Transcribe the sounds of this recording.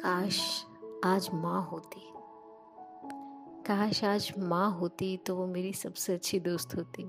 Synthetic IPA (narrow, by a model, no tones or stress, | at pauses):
kaːʃ | aːd͡ʒmãɦot̪i | kaʃaːd͡ʒmãɦoːt̪it̪oʋomeːɾisɐbseɐtːʃʰid̪oːst̪ɦoːt̪iː